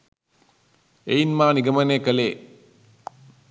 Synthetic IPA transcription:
einmaːniɡəmənekəleː

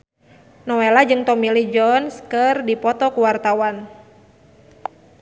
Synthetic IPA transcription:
nɔwelad͡ʒɨŋt̪ɔmilid͡ʒɔnskərdipɔt̪ɔkuwart̪awan

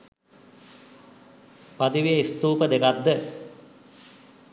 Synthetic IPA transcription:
pat̪iʋijəist̪uːpəd̪ekad̪ːə

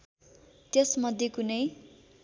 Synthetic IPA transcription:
t̪jʌsmʌd̪ʱjekunʌj

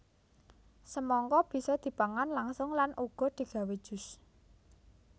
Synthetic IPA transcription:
səmɔŋkɔb̥i̤sɔd̪̥i̤paŋanlaŋsʊŋlanʔuɡ̥ɔ̤d̪̥i̤ɡ̥a̤wed̥ʒ̥ʊ̤s

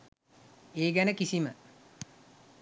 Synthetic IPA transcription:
eːɡænəkisimə

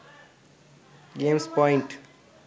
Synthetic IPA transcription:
ɡeːmspɔɪɳʈ

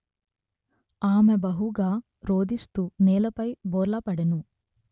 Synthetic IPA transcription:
aːmebɐɦuɡaː | ɾoːd̪ist̪uːnɛːlɐpɐjboːɾlɐpɐɽɐnu

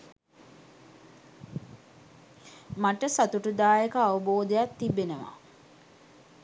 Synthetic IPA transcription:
maʈəsat̪uʈud̪aːjekəaʋəboːd̪ejat̪ːibːenəʋa̰

